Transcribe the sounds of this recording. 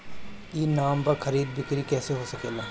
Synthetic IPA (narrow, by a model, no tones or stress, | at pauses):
iːnaːmpɐɾxɐɾiːd̪̚bɪkɾikɛːseɦosɐkeːlaː